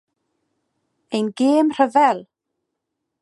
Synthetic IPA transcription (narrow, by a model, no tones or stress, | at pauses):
ejnɡeːmr̥əvɛlˠ